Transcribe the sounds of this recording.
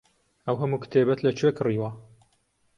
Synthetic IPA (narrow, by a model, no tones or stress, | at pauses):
ɐwɦɐmuːkt̪ʰebɐt̪lɐt͡ʃʰwekɨriːwɐ